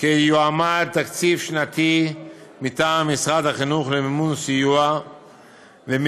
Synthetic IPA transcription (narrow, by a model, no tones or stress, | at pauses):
kejuamad̚t̪akt͡sifʃnat̪imit̪aːmːisʁat̪haχinuχlemimunsijua | vem